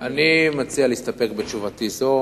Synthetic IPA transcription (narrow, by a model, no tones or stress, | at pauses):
animat͡sialiist̪ape̞kbet̪t͡ʃuvatizo